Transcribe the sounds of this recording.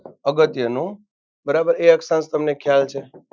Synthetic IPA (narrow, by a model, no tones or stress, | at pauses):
əɡət̪jənũ | bəɾabəɾeəksãnst̪əmnekʰjalt͡ʃʰe